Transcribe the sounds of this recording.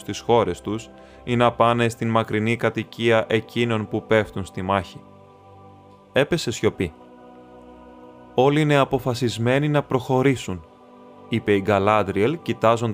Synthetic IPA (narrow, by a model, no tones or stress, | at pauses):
st̪isxo̞ɾe̞st̪us | inɐpɐnest̪inmɐkɾinikɐt̪iciɐʔe̞cino̞npupe̞ft̪unst̪imɐçi | e̞pe̞se̞sço̞pi | o̞liine̞ɐpo̞fɐsizme̞ninɐpɾo̞xo̞ɾisun | ipe̞iɡɐlɐnd̪ɾielcit̪ɐzo̞nd̪